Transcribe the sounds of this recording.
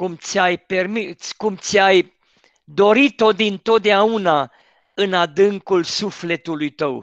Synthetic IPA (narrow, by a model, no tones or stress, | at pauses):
kumt̪sʲajpe̞rmikumt̪sʲaj | d̪o̞ɾit̪o̞d̪int̪o̞t̪̚d̪eauna | ɨnad̪ɨŋkulsufle̞t̪ulujt̪əw